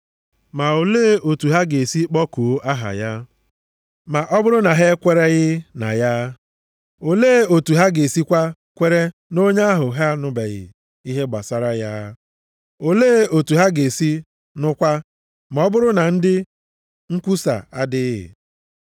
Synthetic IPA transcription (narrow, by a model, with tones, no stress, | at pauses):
ma˨o˨leː˦o˨tu˨ɦa˦ɡe˨si˦k͡pɔ˦ko˨˦a˦ɦa̰˨ja˦ | ma˨ʔɔ˦bʊ˦ɾʊ˦na˨ɦe˦kʷe˦ɾe˦ɣɪ˦na̰˨ja˦ | o˨leː˦o˨tu˨ɦa˦ɡe˨si˦kʷa˦ | kʷe˦ɾe˦no˦ɲa˦a˦ɦʊ˨ɦa˦nʊ˨be˨ɣɪ̰˨ | i˦ɦe˦ɡ͡ba̰˨sa˦ɾa˦ja˦ | o˨leː˦o˨tu˨ɦa˦ɡe˨si˦ | nʊ˦kʷa˦ | ma˨ɔ˦bʊ˦ɾʊ˦na˨n̩˦dɪ˦ | ŋ̩˦kʷu˦sa̰˨a˦dɪ˦ɪ̰˨